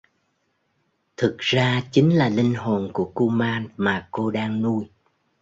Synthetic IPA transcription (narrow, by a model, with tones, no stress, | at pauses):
t̪ʰɨ˨˩k̚z̥aː˧t͡ɕi˨˦ŋ̟laː˨˩lï˧ŋ̟ho˨˩nku˧˩əku˧maː˧nmaː˨˩ko˧ɗaː˧ŋnu˧j